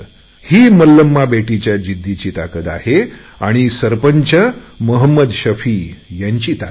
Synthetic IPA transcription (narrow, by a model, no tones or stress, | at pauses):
hiːməlːəmːabeʈit͡ɕjad͡ʑid̪ʱːit͡ɕiːt̪akət̪a̰he | aɽ̃isəɾpəɲt͡ɕəməɦəmːəd̪ɕəfiːjaɲt͡ɕiːt̪a